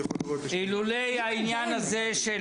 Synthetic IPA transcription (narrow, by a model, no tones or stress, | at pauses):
ilulejhainjanhazeʃe